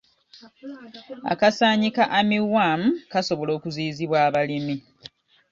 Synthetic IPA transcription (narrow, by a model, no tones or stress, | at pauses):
a̰kasaːɲikaʔamiwwaːm̩kasoβo̞lo̞ːkuziːziβwaːβalimi